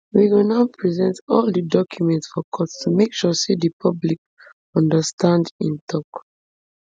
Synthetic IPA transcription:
wiɡonaʊpʰɹizɛ̃ntɔldidɔkʰjumɛ̃ntsfɔkʰɔtstumekʃusedipʰʌblik | ɔ̃ndəstʰãndḭ̃ntʰɔk

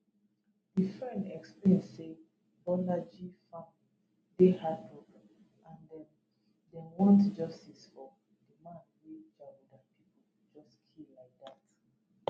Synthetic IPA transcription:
difɹɛ̃ndɛksplẽnse | bɔnad͡ʒifã | dehad̚pɹɔɡã | ãndɛ̃n | dɛ̃nwɔ̃ntd͡ʒɔstisfɔ | dimãnwed͡ʒawudapʰipɔ | d͡ʒɔstkʰilaɪk̚dat

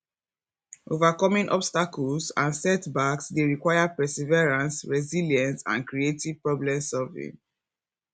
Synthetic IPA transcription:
ʔovakɔmĩnʔɔ̰bstakɔlsã̰nsɛtbaksdeɹikwajapɹɛsivɛɹãnsɹɛzilijɛ̃nsã̰nkɹietiv̥pɹɔblɛ̃msɔvḭ̃ŋ

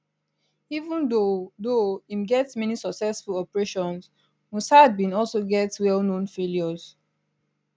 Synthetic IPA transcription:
ivũndodoĩmɡɛtsmɛnisɔksɛsfulɔpəɹeʃɔ̃ns | wũsad̚bĩnɔlsoɡɛtwɛlnõnfeljɔz̥

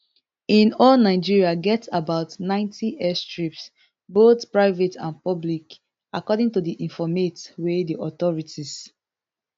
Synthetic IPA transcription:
ĩnɔlnaɪd͡ʒiɹiaɡɛtabaʊtnãɪ̃ntʰiʔɛstɹips | botpɹaɪvetʰãnpɔblik | akɔdĩŋtudiʔĩnfɔmetwediʔɔtɔɹitis

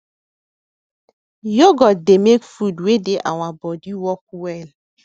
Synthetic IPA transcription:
joɡɔdemekfudwedeʔa̰w̃ãbɔdiwɔk̚wɛl

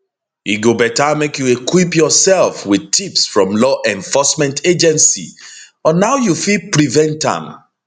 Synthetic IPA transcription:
iɡobɛtamekjuekwipjɔsɛlˠfwid̚tʰipsfɹɔ̃mlɔʔɛ̃ɱfɔsmɛ̃ntʰed͡ʒɛ̃nsḭ | ɔnaʊjufipɹivɛ̃ntã̰m

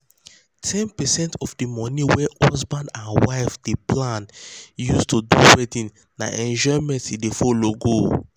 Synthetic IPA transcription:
tʰɛ̃npɛsɛ̃ntʰɔfdimɔniwɛɔsbãndãnwaɪfdepʰlãnjustʰuduwɛtĩn | na̰ʔɛ̃nd͡ʒɔmɛ̃ntdefɔloɡo

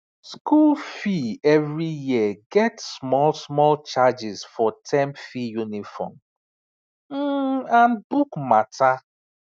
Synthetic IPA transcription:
skulfievɹijiəɡɛtsmɔlsmɔlt͡ʃad͡ʒɪzfɔtʰɛ̃mfijunifɔ̰m | m̩ãnbukmatʰa

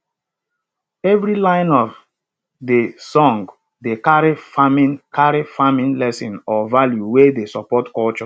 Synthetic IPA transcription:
ɛvɹilãɪ̃nɔv | desɔ̃ŋɡ | dekaɹifamĩnkʰaɹifamĩnlɛsĩnɔvaljuwedesɔpɔtkɔlt͡ʃɔ

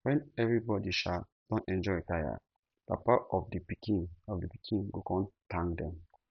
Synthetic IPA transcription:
wɛ̃nɛvɹibɔdiʃa | d̥ɔ̃nɛ̃nd͡ʒɔtaja̰ | d̥a̰paɔfdipikĩɔfdəpi̥kʰĩnɡokɔ̃ntʰãŋdɛ̃m

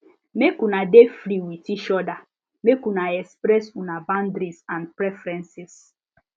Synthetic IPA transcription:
mekunadefɾiwitiʃɔda | mekunaɛkspɾɛsunabãndɾisãnpɾɛfɾɛ̃nsis

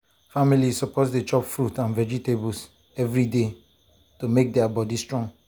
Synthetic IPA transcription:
familissɔpotdet͡ʃɔpfɹutãnvɛd͡ʒitebɔls | ɛvɹide | tomek̚dɛabɔdistɹɔ̃ŋ

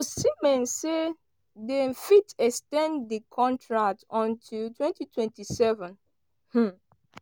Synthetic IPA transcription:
osimɛ̃nse | dɛfitɛstɛ̃nddəkʰɔ̃ntʰɹak̚tɔ̃ntʰutʰwɛ̃ntitʰwɛ̃ntisɛvɛ̃n | h̩

